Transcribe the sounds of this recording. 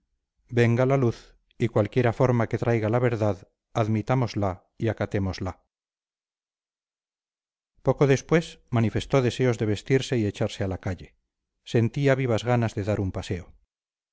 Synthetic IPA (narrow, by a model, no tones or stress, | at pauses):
be̞ŋɡalaluθ | ikwalkje̞ɾafo̞ɾmake̞t̪ɾʔajɣalaβe̞ɾðað | aðmit̪amo̞zla | iakat̪e̞mo̞zla | po̞ko̞ðe̞spwe̞smanife̞st̪o̞ðe̞se̞o̞zðe̞β̞e̞st̪iɾse̞ie̞t͡ʃaɾse̞alakaʎe̞ | se̞nt̪iaβ̞iβ̞azɣanazðeðaɾumpase̞o